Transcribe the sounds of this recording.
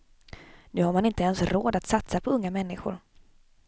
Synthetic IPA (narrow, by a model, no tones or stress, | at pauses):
nʉ̟ːhaɾmanɪnt̪əɛnsɾoːd̪at̪sat̪sapʰɔɵŋːamɛnːɪɧʊ̰ɾ